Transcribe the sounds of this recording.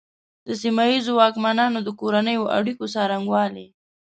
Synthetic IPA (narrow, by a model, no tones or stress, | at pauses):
d̪əsimajizowɑkmanɑnod̪əkoɾanəjoʔa̰ɽikosɑɾaŋɡwɑle